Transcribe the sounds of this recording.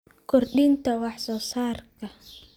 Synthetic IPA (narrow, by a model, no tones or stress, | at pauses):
kʰɔrɗiːnt̪ʰɐwɑħsɔːsaːrkʰɐ